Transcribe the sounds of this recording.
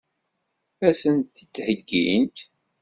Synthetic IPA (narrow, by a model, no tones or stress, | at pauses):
æsənt̪ːit̪t͡sːhəɡːḭnt̪